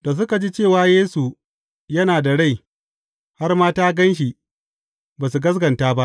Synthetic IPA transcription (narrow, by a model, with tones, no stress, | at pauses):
d̥a˨s̬ʊ˦ka˨d͡ʒiː˦t͡ʃeː˦˨waː˦jeː˦su˨ | jɐ˦naː˨da˨ɽa˦˨j | ha˦rmaː˦taː˦ɡɐ˦nʃ̬i˨ | baː˨su˨ɡɐ˦s̬ɡɐ˨ntaː˦ba˦ʔ